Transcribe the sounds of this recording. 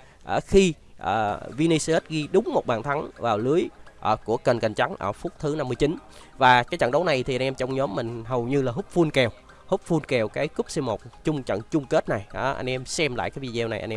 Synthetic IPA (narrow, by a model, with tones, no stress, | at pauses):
ʔəː˧˩xi˧ | ʔəː˨˩vi˧ni˧se˦˥t̚ɣi˧ɗʊ˨˦ŋ͡mmo˨˩t̚ɓaː˨˩nt̪ʰa˨˦ŋvaː˨˩wlɨ˨˦əjʔəː˧˩ku˧˩əkə˨˩nka˨˩ŋ̟t͡ɕa˨˦ŋʔə̰ː˧˩fu˦˥k͡p̚t̪ʰɨ˨˦na˧mːɨ˧ət͡ɕi˨˦nvaː˨˩kaː˨˦jt͡ɕə̰˧˨nɗə˨˦wna˨˩jt̪ʰi˨˩a˧ŋʔɛ˧mt͡ɕɔ˧wŋ͡mɲɔ˨˦mːï˨˩ŋ̟ɦə˨˩wɲɨ˧laː˨˩ɦʊ˦˥k͡p̚fu˧nkɛ˨˩w | hʊ˦˥k͡p̚fu˧nkɛ˨˩wkaː˨˦jku˦˥p̚se˧mo˨˩t̚t͡ɕʊ˧ŋ͡mt͡ɕə̰˧˨nt͡ɕʊ˧ŋ͡mke˦˥t̚na˨˩jʔaː˧˩ʔa̰˧jŋ̟ʔɛ˧msɛ˧mla̰ː˧˨kaː˨˦jvḭ˧˩zɛː˧wna˨˩ʔa˧ŋʔɛ˧